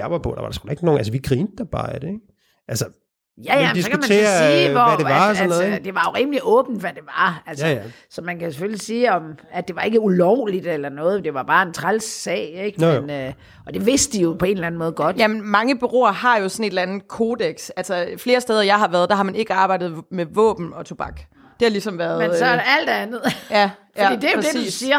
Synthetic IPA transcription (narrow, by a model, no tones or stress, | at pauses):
jɑʋɑ̈pʰɔ̽d̥ɑ̰ʋɑ̈ɾesɡ̥uleɡ̥ino̝ːnæls̬əʋiɡ̥ʰʁiind̥ɐb̥ɑ̈ːæd̥eɡ̥ | ʔælsə | jæjæmdisɒ̽kʰuæmt͡sænʰe̝̰ːɐsiːʋɒæɾeʋɑsɔnːɔð̩ˠd̥e̝ʋɑ̈jo̝ʁiməliʔɔ̽ːb̥n̩d̥ʋæd̥e̝ʋɑælsəsɒ̽mænkʰæsefølisiːɒ̽mæd̥e̝ʋɑ̈e̝ɡ̥əulɒʊ̰lid̥elɐnɔ̽ːð̩ˠd̥e̝ʋɑ̈b̥ɑ̈ːe̝nt͡sʰʁalsɛ̰ːɪeɡ̥enø | ʔɒ̽d̥e̝ʋe̝sd̥əd̥ijo̝pʰɒ̽e̝ːnlæn̩mɔːðˠɡɒ̽d̥jæmenmɑ̈ŋəb̥yʁo̝̰ːɐhɑ̈jo̝sɒ̽ne̝d̥lænð̩ˠkʰo̝ːd̥eɡ̥sælsɒfle̝ːɐsd̥eːð̞ˠɐjɑ̈ɪɦɑ̈ʋæːɐð̞ˠd̥æ̈hɑ̈mæne̝ɡ̥əɑ̈ːb̥ɑ̈ɪd̥ð̩ˠmeʋɔ̰̽ːb̥n̩ɒ̽t͡sʰob̥ɑ̈ɡ̥ | d̥e̝hɑ̈lisɒ̽mʋæɐðmesɒæl̰d̥ænð̩ˠjæfjæ̥ḭːd̥e̝jod̥ei̥̰siːɐ